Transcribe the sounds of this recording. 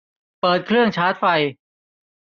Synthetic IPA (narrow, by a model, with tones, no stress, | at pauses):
pɤː˨˩t̪̚kʰɾɯ˥˩əŋt͡ɕʰaː˦˥t̪̚fa˧j